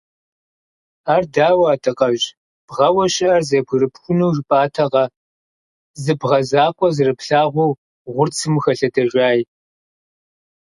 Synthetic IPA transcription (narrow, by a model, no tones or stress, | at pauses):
aːrdaːwaːtʰɨqʼɐʒ | b̥ʁɐwɐɕʼɪʔɐrzɐpʰʷɨɾɨpxʷʊnɐwʒɪpʼaːtʰɐʁɐ | zɨbʁɐzaːkʷʼɔzɨrɨpɬaːʁʷu | ʁʷʊrt͡sʰɨmxɐɬɐdɐʒʷaːj